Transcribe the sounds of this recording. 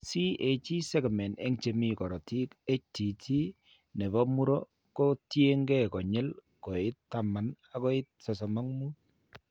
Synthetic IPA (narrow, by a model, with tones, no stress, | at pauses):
si˦ʔe˨t͡ʃi˦sɛ˦kmɛ˨nḛ˦ŋt͡ʃe˦mi˦kɔ˨ɾɔ˨ti˦ke˦t͡ʃ̚ti˨ti˦ | ne˨bɔ˦mu˦ɾɔ˦ | ko˦tje˦ŋɡɛ˦kɔ˨ɲɛ˦l | ko˨ɪ˦tːa˨ma˨na˨kɔ˦ɪ˦t̚sɔ˨s̬ɔ˨mɔ˦ŋmu˦t̚